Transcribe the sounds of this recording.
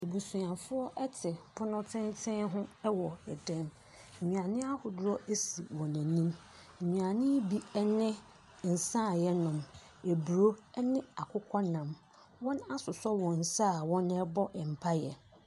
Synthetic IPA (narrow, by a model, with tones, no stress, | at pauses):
e˨bu˨su˨ã˨fʊ˦ɔ˦ʔɛ˦tʰɪ˨pʰʊ˦nʊ̃˦tʰɪ̃˦ntʰɪ̃˦nɦʊ̃˦ɛ˦wɔ˨ɛ˨dɛ̃˦m̩˨ | ɲĩ˨ã˨nɪ̃˦a˦hʊ˨dʊ˦ɾɔ˦ʔe˦sḭ˨wɔ̃˨næ̃˨nĩ˦m̩˨ | ɲĩ˨ã˨nɪ̃˦bi˦ɛ˦nɪ̃˦ | n̩˨sã˦˨jɛ˦nʊ̃˨m | e˨bu˨ɾo˦ɛ˦nɪ̃˦a˨kʰʊ˦kʰɔ˦nã˨m | wɔ̃˦na˦sʊ˨sɔ˦wɔ̃˨n̩˨saː˦˨wɔ̃˦nɛ˦bɔ˦ʔɛ˨m̩˨pʰa˦jɛ˨